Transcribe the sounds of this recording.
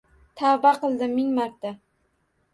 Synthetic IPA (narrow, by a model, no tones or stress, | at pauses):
t̪ʰabaqɨlˠd̪ɪmɪŋmaɾt̪ʰa